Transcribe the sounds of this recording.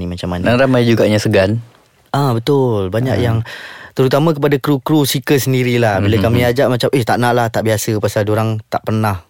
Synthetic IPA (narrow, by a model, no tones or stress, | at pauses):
imat͡ʃamanaŋɾamajd͡ʒuɡaɲasəɡan | ʔabət̪ʊlbaɲa̰k̚jaŋt̪əɾut̪amãkəpadakɾukɾusikəsəndiɾilahbilakamĩad͡ʒaʔmat͡ʃamʔət̪aʔnaʔlaht̪aʔbiasəpasaldoɾaŋt̪aʔpərnah